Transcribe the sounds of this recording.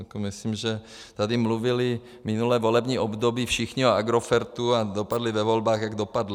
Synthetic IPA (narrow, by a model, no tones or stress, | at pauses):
akomɪslimʒɛ | t̪adɪmluvɪlɪ | mɪnulɛːvo̞lɛbɲiːʔobd̪obiːfʃɪxɲɪoaɡɾofɛɾt̪uad̪opadlɪvɛvo̞lbaːxjaɡdo̞padl